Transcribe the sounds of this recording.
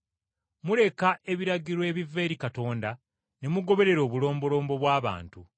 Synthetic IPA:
mule̞kae̞βiɾaɟiɾwe̞βive̞ːɾikato̞ːnda | ne̞muɡo̞βe̞ɾe̞ɾo̞ːβulo̞ːmbo̞lo̞ːmbo̞βwaːβa̰ːntu

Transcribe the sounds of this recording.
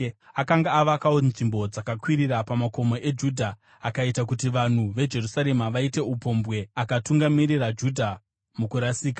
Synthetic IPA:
akaŋɡaːʋakaonʐimbo̞d͡zakakwiɾirapamako̞mo̞ʔe̞d͡ʒudʱaː | kaitakutiʋan̤uʋe̞d͡ʒe̞rusaɾe̞maʋaite̞upo̞mbɣe̞akatuŋɡamiɾirad͡ʒudʱa | mukuɾasiːka

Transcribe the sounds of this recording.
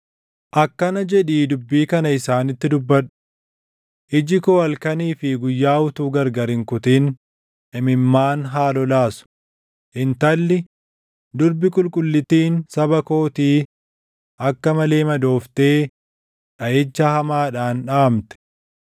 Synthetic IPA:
ʔɐkːɐnɐd͡ʒɛᶑiːd̪ʊbːiːkɐnɐɪsaːnɪt̪ːɪd̪ʊbːɐᶑʊ̥ | ʔɪd͡ʒɪkɔɐlkɐniːfɪɡʊjːaːʊt̪uːɡɐɾɡɐɾɪŋkʊt̪iːn | ɛmɪmːaːnɦaːlɔlaːsʊ̥ | ʔɪnt̪ɐlːɪ | d̪ʊɾbɪkʼʊlkʼʊlːɪt̪iːnsɐbɐko̞ːt̪iː | ʔɐkːɐmɐle̞ːmɐd̪o̞ːft̪e̞ː | ᶑɐjɛt͡ʃːɐhɐmaːᶑaːnᶑaːmt̪ɛ̥

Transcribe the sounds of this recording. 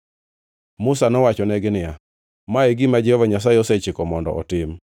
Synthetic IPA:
mʊsanɔwat͡ʃɔnɛɡɪnɪja | maeɡɪmad͡ʒɛhɔvaɲas̬aɪɔsɛt͡ʃɪkɔmɔndɔ̰ʔɔ̰tɪm

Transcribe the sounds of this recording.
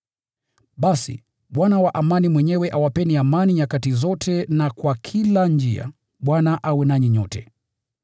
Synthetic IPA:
ɓasḭ | ɓwanawaʔamanimwɛɲɛwɛʔawapɛniamaniɲakatizɔtʰɛnakwakʰiland͡ʒia̰ | ɓwanaʔawɛnaɲiɲɔ̰tɛ̰

